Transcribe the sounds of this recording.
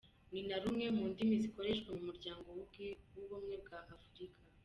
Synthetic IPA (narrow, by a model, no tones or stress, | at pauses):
ninaɾumŋe̞muːndimiziko̞ɾe̞ʃkwamumuɾɟaːŋɡo̞wuwuβumŋe̞b̚ɡaʔːfuɾikʰa